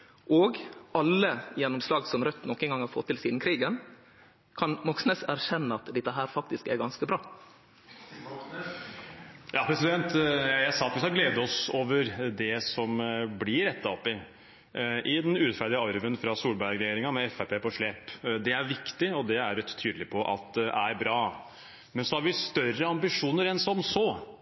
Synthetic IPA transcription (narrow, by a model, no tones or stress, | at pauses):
ʔoːɡɑlːəjɛnːɔmslɑːɡsɔmɾœt̪ːnɔkːənɡɑŋhɑɾfɔt̪ːɪlsiːd̪n̩kʰɾiːɡən | kʰɑnmɔksnɛsæɾçɛnːəɑt̪d̪ɛt̪ːəɦæːɾfɑk̚t̪ɪskɛ̰ɡɑnskəbɾɑː | jɑːpʰɾɛsɪd̪ɛnt̪jæsɑːt̪ɪsɑɡleːd̪əɔsoːʋəɾd̪ɛsɔmblɪɾɛt̪ʰːɑɔpːɪ | ʔɪd̪ɛnʉːɾɛt̪fæːd̪ɪəɑɾʋənfɾɑsuːlbæɾɛjeːɾɪŋɑmɛɛfæpeːpɔʂɭeːpd̪ɛæɾʋɪkt̪ɪɔd̪ɛæɾt̪ʰːyːd̪lɪpʰɔʔɑ̰t̪æɾbɾɑː | mɛnsɔhɑɾʋɪst̪œrːəɑmbɪʂuːnəɾɛnsɔmsɔ